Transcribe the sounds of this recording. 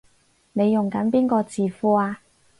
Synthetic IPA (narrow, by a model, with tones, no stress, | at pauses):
ne˨˧jjʊ˨˩ŋkɐ˨˥npiː˥nkɔː˧t͡siː˨fuː˧aː˧